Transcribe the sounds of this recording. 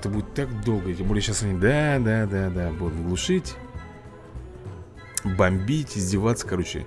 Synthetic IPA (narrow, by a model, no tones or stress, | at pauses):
ɛt̪əbudʲɪt̪ːakd̪o̞lˠɡətʲembo̞lʲɪjəɕasɐnʲid̪ad̪ad̪ad̪abud̪t̪ɡlˠʊʂɨtʲ | bɐmʲbʲitʲɪzʲdʲɪvat̪sə̥kɐɾo̞t͡ɕɪ̰